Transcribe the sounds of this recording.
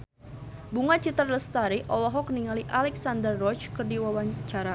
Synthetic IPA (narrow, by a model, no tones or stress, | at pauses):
buŋat͡ʃit̪ərləst̪aɾiʔɔlɔɦɔkniŋaliʔalɛksand̪ərːɔt͡ʃkərdiwawat͡ʃaɾa